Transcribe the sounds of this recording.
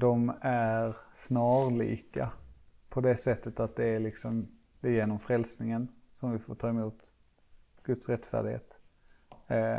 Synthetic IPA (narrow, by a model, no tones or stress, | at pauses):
d̪ɔmæɾsnɑːɾlḭːkapʰɔd̪ɛsɛt̪ːət̪at̪̚d̪ɛæɭɪksɔm | d̪̥ɛjeːnɔmfɾɛlsnɪŋənsɔmvɪfoːʈʰɑːɪmuːt̪ | ɡ̥ɵt̪sɾɛt̪ːfæ̰ːɖɪɡhḛːt̪